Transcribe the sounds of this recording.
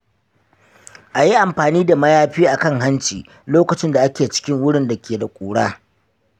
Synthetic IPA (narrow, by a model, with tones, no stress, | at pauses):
ʔa˨ji˦ʔa˨mɸaː˨niː˦da˨mɐ˦jaː˦ɸiː˦ʔa˨kɐ˦ŋɦa˦nt͡ʃiː˨ | loː˦kɐ˨t͡ʃɪ˦nda˨ʔa˦kʲeː˨t͡ʃɪ̥˦kʲɪ˦ŋwʊ˦ɽɪ˦nda˨kʲeː˨da˨kʷʼuː˨ɽaː˦